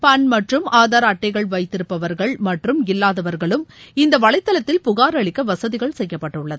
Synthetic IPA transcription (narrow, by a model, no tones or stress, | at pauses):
pɐnmɐʈrɯmaːðaːɾɐːʈːɐɪɣɐɭʋɐɪt̪ːɪɾɯpːɐʋɐɾɣɐɭmɐʈrɯmɪlːaːðɐʋɐɾɣɐɭɯmɪnd̪ɐʋɐɭɐɪt̪ːɐlɐt̪ːɪlpʊɣaːɾɐɭɪkːɐʋɐsɐðɪɣɐɭsɛjːɐpːɐʈːɯɭːɐðɯ